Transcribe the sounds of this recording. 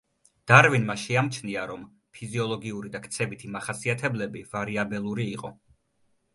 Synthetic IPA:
d̪̥aɾvinmaʃɛamt͡ʃʰniaɾɔm | pʰiziɔlˠɔɡiuɾid̪akʰt̪sʰɛbit̪ʰimaχasiat̪ʰɛblɛbiv̥aɾiabɛlˠuɾiːqʼɔ

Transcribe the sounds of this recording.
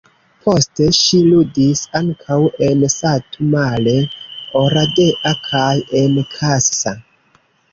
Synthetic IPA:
pʰo̞ste̞ʃiludisaŋkʰawe̞nsatumale̞oɾade̞ʔakʰaje̞nkʰasːa

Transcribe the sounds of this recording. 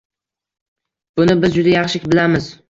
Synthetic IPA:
b̥ʊnɪbɪzd͡ʒʊd̪ajɑχʃɪkʲbɪlamɪz̥

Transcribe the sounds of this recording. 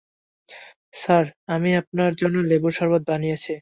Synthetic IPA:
saɾamiap̚naɾd͡ʑonːoleboɾʃɔɾbad̪̚banijet͡ɕʰi

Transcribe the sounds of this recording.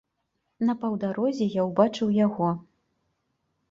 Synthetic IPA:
nɐpɐwd̪aɾɔzʲɛjawbat͡ʂɨwjaɣɔ

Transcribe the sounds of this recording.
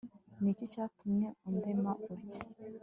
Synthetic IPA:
nicicaːtumɲeund̪emaʔuɾc

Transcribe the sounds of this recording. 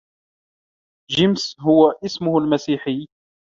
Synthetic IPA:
ʒɪmsɦʊwaʔɪsmʊhalmasiːħɪː

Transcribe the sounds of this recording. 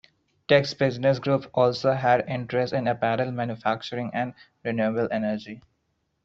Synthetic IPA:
ʈeksbɪznɪs̬ɡɾuːpɔːlsoːɦæɖɪ̃ɳʈɾesʈɪ̃nəpæɾəlmæ̃ːnjufæk̚t͡ʃəɾɪ̃ŋæ̃ɳɖ | ɾɪnjuəbəlʔenəɾd͡ʒi

